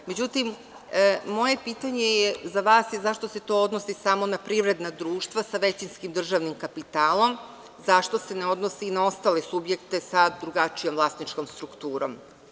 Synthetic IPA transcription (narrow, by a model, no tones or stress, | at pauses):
me̞d͡ʑut̪im | mo̞je̞piːt̪aɲe̞jezaʋaːsjezaʃt̪o̞se̞t̪o̞od̪no̞sisamo̞napɾiʋɾe̞d̪nad̪ɾuːʃt̪ʋasaʋe̞t͡ɕinskimd̪r̩ʒaʋnimkapit̪aːlˠo̞m | zaʃt̪o̞se̞ne̞o̞d̪nosiːnao̞st̪aːlesubje̞kt̪e̞sad̪ɾuɡat͡ʃijo̞mvlˠast̪nit͡ʃko̞mst̪ɾukt̪uːɾo̞̰m